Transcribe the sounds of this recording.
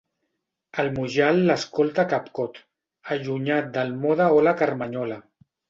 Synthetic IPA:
əlmuʒalːəskolˠt̪akapkɔt̪ | əʒuɲat̪̚d̪əlmɔðaɔlakəɾmaɲɔla

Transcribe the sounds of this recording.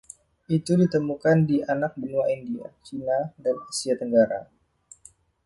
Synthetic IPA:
ʔit̪udit̪əmukandianak̚bənuaindia̰t͡ʃinadanasiat̪əŋɡaɾa̰

